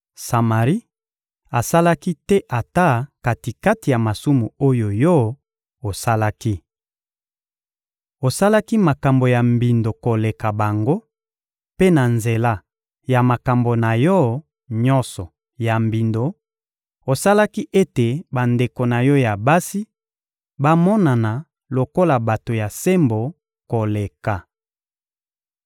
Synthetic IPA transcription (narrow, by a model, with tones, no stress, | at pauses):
sa˨ma˨ʁi˦ | a˨sa˦la˦ki˦tɛ˦ʔa˨ta˦ka˨ti˨ka˦ti˨ja˨ma˨su˦mu˨o˦jo˨jɔ˦ | o˨sa˦la˦ki˦ | o˨sa˦la˦ki˦ma˨ka˨mbo˨ja˨mbi˨ndo˨ko˨le˨ka˨ba˨ŋɡo˦ | pe˦na˨nze˨la˦ | ja˨ma˨ka˨mbo˨na˨jɔ˦ | ɲɔ˦nsɔ˨ | ja˨mbi˨ndo˨ | o˨sa˦la˦ki˦ʔe˦te˨ba˨nde˨ko˨na˨jɔ˦ja˨ba˦si˦ | ba˦mɔ˦na˨na˨ | lo˨ko˦la˨ba˨to˨ja˨se˦mbo˨ | ko˨le˨ka˨